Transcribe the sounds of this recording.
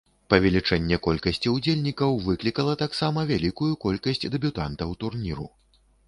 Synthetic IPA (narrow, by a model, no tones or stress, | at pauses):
pɐvʲɛlʲit͡ʂɛnʲːɛkɔlʲkɐsʲt͡sʲiud͡zʲelʲnʲikɐwvɨklʲikɐlˠɐt̪aksamɐvʲalʲikujukɔlʲkɐsʲt͡sʲd̪ɛbʲut̪ant̪ɐwt̪urnʲiɾṵ